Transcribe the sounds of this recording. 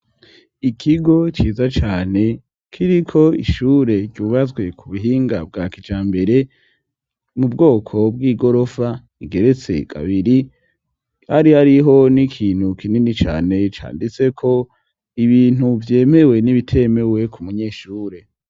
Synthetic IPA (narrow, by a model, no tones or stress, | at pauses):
ikʰiɡo̞t͡ʃiːzat͡ʃaːne̞ | kʰiɾikʰo̞ḭʃuːɾe̞ɟɟuβazɡwe̞kʰuβuɦiːŋɡab̚ɡakid͡ʒaːmbe̞ɾe̞ | mubɡo̞ːkʰo̞bɡiːɡo̞ɾo̞fa | iɡe̞ɾe̞t͡se̞̰kʰa̰βiɾi | haɾihaɾiɦo̞nikʰiːn̥hukʰininit͡ʃa̰ːne̞t͡ʃa̰ːndit͡se̞kʰo̞ | iβiːnuvje̞ːme̞we̞niβitʰe̞me̞we̞kʰumuɲeːʃuːɾe̞